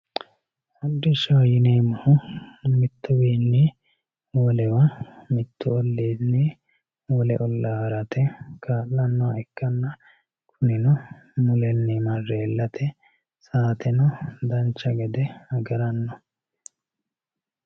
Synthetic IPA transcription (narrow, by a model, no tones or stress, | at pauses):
ɐd̪ːɪʃɐwɐjɪneːmɐhʊmɪt̪ːʊbiːnːɛ | wɔlɛwɐmɪt̪ːʊɔlːeːdne | wɔlɛʔɔlːahɐɾɐt̪ʰɛkʰaːʔːɐnːɔɐɛkːɐnːɐ | kʰʊnɪnɔ | mʊlɛnːɛmɐrːeːlːɐt̪ʰɛ | saːt̪ɛnɔd̪ɐnt͡ʃːɐɡɛd̪ɛɐɡɐɾɐnːɔ